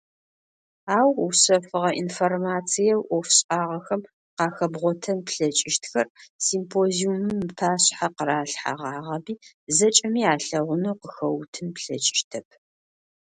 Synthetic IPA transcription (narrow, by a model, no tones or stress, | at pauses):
aːwusɐfɨʁɐʔinformaːt͡sʰijɛwʔɔfɕʼaːʁɐxɐm | qɑːxɐbʁʷɔtʰɐnpɬɐt͡ʃʼɪʃtxɐrsiːmpʰoːziumɨmpʰaːɕħaqəɾaːɬħa̰ʁɑːʁɐbiː | zɐt͡ʃʼɐmiːaːɬɐʁʷʊnuwqəxɐwtʰɨnpɬɐt͡ʃʼɪ̥ʃtʰɐp̚ʰ